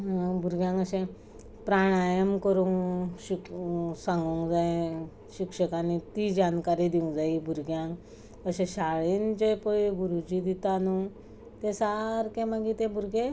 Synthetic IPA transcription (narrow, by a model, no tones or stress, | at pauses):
bʱuɾɡjãŋɡəɕẽ | pɾaɽ̃ajəmkəɾuŋɕiksãŋɡuŋɡd͡zaẽ | ɕikʂəkanit̪id͡ʑankaɾid̪iũŋd͡zaibʱuɾɡjãŋk | əɕẽɕaɭint͡ɕepəiɡuɾud͡ʑid̪it̪anu | t̪ẽsaɾkẽmaɡit̪ẽbʱuɾɡe